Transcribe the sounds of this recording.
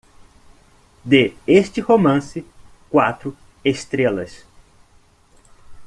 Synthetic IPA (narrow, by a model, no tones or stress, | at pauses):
d̪eest͡ʃɪhomɐ̃sɪkwat̪ɾʊ | est̪ɾelɐ̰s